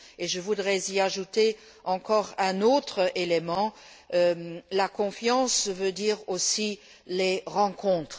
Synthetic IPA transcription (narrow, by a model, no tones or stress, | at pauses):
eʒəvud̪ʁɛziaʒut̪e | ɑ̃kɔːʁɛ̃not̪χʔelemɑ̃ | ølakɔ̃fjɑ̃svød̪iːʁosi | leʁɑ̃kʰɔ̃t̪χ